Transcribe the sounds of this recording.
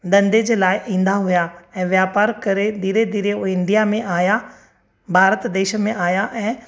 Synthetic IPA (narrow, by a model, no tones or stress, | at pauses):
d̪ə̃nd̪ed͡ʒeːlaːjʔĩːnd̪aɦʊjaːɛ̃ːʋjaːpaːɾkəɾed̪iːɾed̪iːɾeoɪ̃nd̪ijaːmẽʔaːjaː | bʱaːɾət̪d̪eːʃmẽʔaːjaːʔɛ̃ː